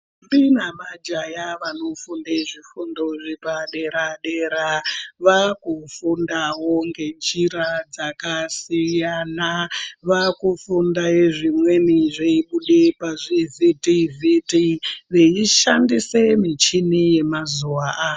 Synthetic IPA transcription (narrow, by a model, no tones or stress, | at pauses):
mbinamad͡ʒajaʋanofundeʐifundo̞ʐipaɗe̞ɾaɗeɾaʋakufundawoŋɡe̞nd͡ʒiɾad͡zakasijanaʋakufundajeʐimwe̞niʐeiɓuɗepaʐivitivitiʋeiʃandisemit͡ʃinije̞mazuwaa